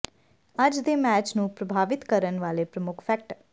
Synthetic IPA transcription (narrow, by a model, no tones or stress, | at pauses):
əd͡ʒd̪eːmɛːt͡ʃnũːpɾəbʱaːʋɪt̪kəɾənʋaːleːpɾəmʊkʰpʰɛk̚ʈ